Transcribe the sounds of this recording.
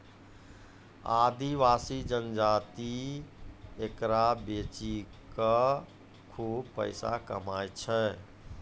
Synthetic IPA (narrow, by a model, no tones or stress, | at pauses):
a̰d̪iʋasid͡ʒənd͡ʒat̪i | ekɾabet͡ʃi | kə | kʰubpə̰ɪsa̰kə̰majt͡ʃʰɛ